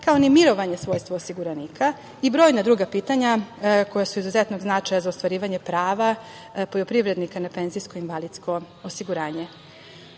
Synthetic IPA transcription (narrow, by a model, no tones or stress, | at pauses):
kaonimiɾo̞ʋaɲe̞sʋo̞ːjst̪ʋoːsiɡuɾaniːkʰa | ibɾo̞ːjnad̪ɾuːɡapiːt̪aɲako̞jasuizuzet̪no̞ɡznat͡ʃajazaot̪ʋaɾiːʋaɲe̞pɾaːʋa | pojopɾiʋɾe̞d̪nikanape̞nzijskoinʋalid̪sko̞ | osiɡuɾaːɲe̞